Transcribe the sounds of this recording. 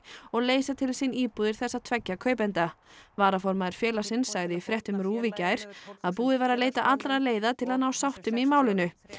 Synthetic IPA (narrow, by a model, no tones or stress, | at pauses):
ɔɣleːjsat̪ʰɪlsiniːpuːðɪɾ̥θɛsːaðt̪ʰvɛcːakʰœːɥpɛnt̪avaːɾafɔɾmaðɪɾ̥fjɛːlasɪnsːaɣðɪifɾjɛht̪ʏmɾuːvicajɾ̥aðpuːðɪvaːɾaðleːjt̪aʔat̪lɾaðleːjðat̪ʰɪlaðnawsawht̪ʏmimaːwlɪnʏ